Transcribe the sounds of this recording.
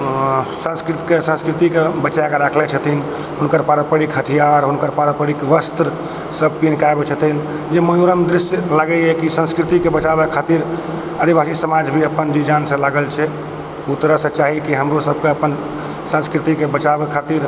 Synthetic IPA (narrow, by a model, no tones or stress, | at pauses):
sə̃nskɾit̪kesə̃nskɾit̪ikebəːt͡ʃajkeɾakʰlɛt͡ʃʰət̪ʰin | ɦunkəɾpaɾəpəɽikɦət̪ʰijaɾɦunkəɾpaɾəpəɽikʋəst̪ɾ | səb̚pinkaebet͡ʃʰət̪ʰin | d͡ʒeməjoɾəmd̪ɾisjəlaɡɛɛkisə̃nskɾit̪ikebət͡ʃabekʰat̪iɾ | ad̪ibasisəmad͡ʒbʱiəpənd͡ʒid͡ʒansə̃laɡəlt͡ʃʰɛ | ut̪ɾəsə̃t͡ʃaɦikiɦəmɾosəb̚ʱkeəpən | sə̃nskɾit̪ikebət͡ʃabekʰat̪iɾ